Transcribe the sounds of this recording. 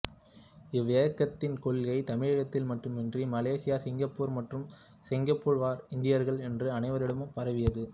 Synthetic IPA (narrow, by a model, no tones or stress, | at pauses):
ɪʋːɪjɐkːɐt̪ːɪnkɔɭɣɐɪt̪ɐmɪɻɐɻɐt̪ːɪlmɐʈrɯmɛndrimɐleːsɪjaːsɪŋɡɐpːuːɾmɐʈrɯm | sɪŋɡɐpːuːɾʋaːɾɪnd̪ɪjɐɾɣɐɭɛndrɯɐnɐɪʋɐɾɪɽɐmɯpːɐɾɐʋɪjɐðɯ